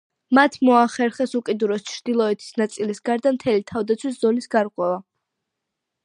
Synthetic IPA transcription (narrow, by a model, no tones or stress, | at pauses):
mat̪ʰmɔaχɛɾχɛsukʼid̪uɾɔst͡ʃʰɾd̪ilˠɔɛt̪ʰi̥snat̪sʼilisɡaɾd̪amt̪ʰɛlit̪ʰavd̪at̪sʰwiszɔlisɡaɾqʼwɛva